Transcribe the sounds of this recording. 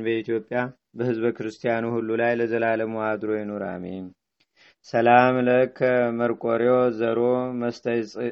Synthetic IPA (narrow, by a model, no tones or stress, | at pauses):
bəit̪ʰijo̞pʼja | bəhɨzbəkɨɾɨst̪ʰijanuhulːulajləzəlaləmuad̪ɾo̞jɛnoɾa̰me | səlamləkʰːəməɾkʼoɾeozəɾo̞məst̪ʰəjsʼ